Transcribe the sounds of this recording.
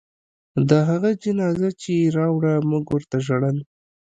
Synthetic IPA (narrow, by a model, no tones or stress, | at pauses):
d̪əɦaɣad͡ʒɪnɑzat͡ʃeɾɑwɽamuɡwəɾt̪aʒaɽəl